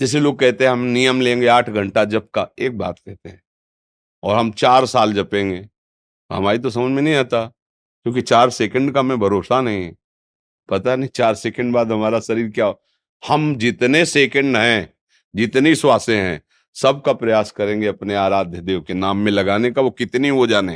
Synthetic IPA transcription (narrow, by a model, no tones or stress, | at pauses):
d͡ʒɪs̬eloːɡ̚kɛɦt̪eɦɛ̃ɦɐmnijəmlẽːŋɡeaːʈʰɡʱɐ̃ɳʈad͡ʒɐb̚kaeːk̚ba̰ːt̪̚kɛɦt̪eɦɛ̃ | ɔːɾɦɐmt͡ʃaːɾsaːld͡ʒɐpẽːŋɡeː | ɦɐ̰maːɾit̪̬os̬ɐməd͡ʒmẽnɐɦĩaːt̪a | kjõːkit͡ʃaːɾsekə̃ɳɖkamẽbʱɐɾoːsanɐɦĩɦɛ̃ | pɐt̪anɐɦĩt͡ʃaːɾsekə̃ɳɖbaːd̪ɦɐmaːɾaʃɐɾiːɾkjaɦo | hɐmd͡ʒɪt̪neseːkə̃ɳɖɦɛ̃ | d͡ʒɪt̪niswaːsẽɦɛ̰̃ː | sɐb̚kapɾɐjaːskɐɾẽːŋɡeɐpneaːɾaːd̪ʱjəd̪eːokenaːmːẽlɐɡaːnekaʋokɪt̪niɦod͡ʒaːne